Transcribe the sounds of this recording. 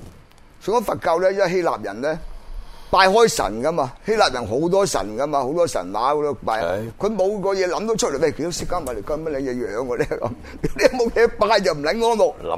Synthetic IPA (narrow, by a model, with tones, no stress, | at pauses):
sŋɔː˨˥fɐ˨t̚kɐ˧wlɛː˥jɐ˥˨˩ɦe˥la̰ː˨p̚jɐ˨˩nlɛː˥paː˧jɦɔː˥jsɐ̰˨˩nkɐ˥maː˧he˥laː˨p̚jɐ˨˩nɦo˨˥wt̪ɔː˥sɐ̰˨˩nkɐ˥maː˧ho˨˥wt̪ɔː˥sɐ̰˨˩nwaː˨˥kɔ˨˧˥d̪o˧paː˧jkʰɵ˨˧jmo˨˧wkɔː˧jɛː˨˧lɐ˨˥mt̪o˨˥wt͡ʃʰɵ˥t̚leː˨˩jme˨˩kʰt̪o˨˧wsɪ˥kːaː˥naː˨˩le˨˩kɔː˧˩˨mɐ˥t̚lɛ˨˥ŋjɛː˨˧jœː˨˧ŋkɔː˧lɛː˥kɐ̰˨˦m | i˨˥li˨˥˨mo˨wjɛː˨˥paː˧jt͡sɐ˨wm̩˨˩lɐ˨˦nŋɔː˥nmo˨